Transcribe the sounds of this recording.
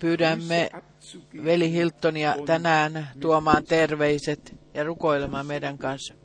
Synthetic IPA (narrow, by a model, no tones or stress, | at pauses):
pyːɾæmːe | ʋelihilt̪ːoniɑt̪ænæːnt̪uomɑːnt̪erʋeiset̪jɑrukoilemɑːmeidæŋkɑns